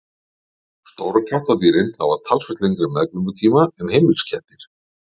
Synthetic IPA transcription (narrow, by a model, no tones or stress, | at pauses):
st̪oːwɾakʰaht̪at̪̬iːɾɪnha̰vat̪ʰalsfɛht̪leŋk̪ɾɪmɛðkvʏŋkʏt̪ʰiːmaʏmhejmɪlscʰɛht̪ɪɾ̥